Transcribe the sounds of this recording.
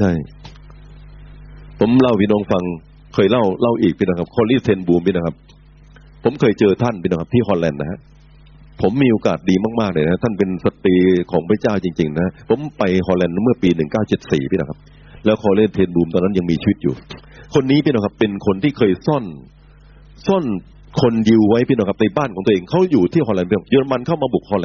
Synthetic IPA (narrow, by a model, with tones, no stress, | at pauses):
t͡ɕʰa˥˩j | pʰo˩˦mla˥˩wpʰiː˥˩nɔː˧˥ŋfa˧ŋ | kʰɤː˧jla˥˩wla˥˩wʔiː˨˩k̚pi˥˩nɔ˧˩kʰp̚kʰɔː˧liː˦˥˩t̪ʰeː˧nbuː˧mpʰiː˥˩na˧˩kʰa˦˥p̚ʰː | o˩˦mkʰɤː˧jt͡ɕɤː˧t̪ʰa˥˩npʰi˥˩˨ka˦˥pt̪ʰiː˥˩ɦɔː˧nlɛː˧nna˦˧˩ha˦˥ʔ | pʰo˩˦mːiː˧ʔoː˧ka̰ː˨˩t̪̚diː˧maː˥˩k̚maː˥˩naː˧na˧˩a˦˧t̪ʰa˥˩npe˧nsa˨˧˩t̪ɾiː˧kʰɔː˩˦ŋpʰɾa˦˥t͡ɕaː˥˩wt͡ɕi˧ŋt͡ɕi˧ŋna˦˥ha˦˥pʰo˩˦mpa˧jhɔː˧nlɛː˧nmɯ˥˩ɐpiː˧nɯ˨˩ŋkaː˥˩wt͡ɕe˨˩t̪̚sḭː˨˩pʰiː˦˥˩na̰˧˥˩kʰa˦˥p̚ | lɛː˦˥wkʰɔː˧˩le˥˩nt̪ʰeː˧nbuː˧mt̪ɔː˧nːa˦˥ja˧ŋmiː˧t͡ɕʰi˧wt̪̚jṵː˨˩ | kʰo˧nːiː˦˥pʰiː˦˥˩nɔ˧˩kʰa˦˥pːe˧nkʰo˧nt̪ʰiː˥˩kʰɤː˧jsɔ˥˩n | sɔ˥˩n | kʰo˧nji˧wːa˦˥jpi˦˥˩nɔ˥˩kʰa˦˥p̚na˧jbaː˥˩nkʰɔː˨˩˦ŋː˧˨ʔeː˧ŋkʰa˦˥wjuː˨˩t̪ʰiː˥˩hɔː˧lɛ˧npi˦˥˩juː˧a˧ma˧nkʰa˥˩wmaː˧bu˨˩k̚hɔː˧nlɛ˧n